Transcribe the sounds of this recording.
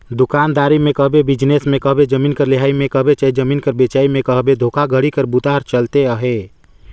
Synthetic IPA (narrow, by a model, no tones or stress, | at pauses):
d̪ʊkaːnd̪aːɾimẽkəɦbebɪd͡ʒnesmẽkəɦbed͡ʒəmiːnkəɾleɦaːimẽkəɦbet͡ʃaid͡ʒəmiːnkəɾbet͡ʃaːimẽkəɦbed̪ʱoːkʰaɡʱəɽikəɾbut̪aːɾt͡ʃəlt̪eəɦe